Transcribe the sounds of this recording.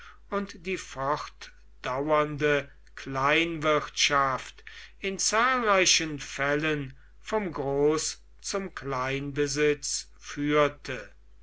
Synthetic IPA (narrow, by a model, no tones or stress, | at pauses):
ʊntd̥iːfɔʁt | d̥awɐndə | kʰlaɪnvɪχtʃaftɪnt͡saːlʁaɪʃənfɛlən | fɔmɡʁoːs | t͡sʊmklaɪnbəzɪt͡s | fyːɐtʰə